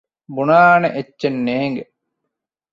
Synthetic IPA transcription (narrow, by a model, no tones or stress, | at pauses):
bunaːneʔetːenːeːŋɡe